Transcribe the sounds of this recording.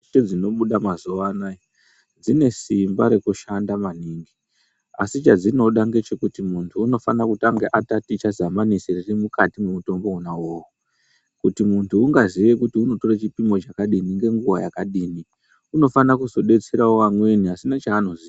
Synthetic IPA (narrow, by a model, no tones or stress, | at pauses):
ed͡zino̞ɓuɗamazuʋanajo | d͡zine̞simbaɾe̞kuʃandamaniːŋɡi | a̰sit͡ʃad͡zino̞ɗaŋɡe̞t͡ʃe̞kutimuntʰuːno̞fanakutaŋɡeʔatatit͡ʃazamaniseririmukatimemuto̞mbo̞unawowu | kutimuntʰuːŋɡaziʋe̞kutiuno̞to̞rat͡ʃipimo̞t͡ʃakaɗiniŋɡe̞ŋɡuwaja̰kaɗiːni | uno̞fanakuzo̞ɗe̞t͡se̞ɾaoʋamwe̞niasinat͡ʃaːno̞zi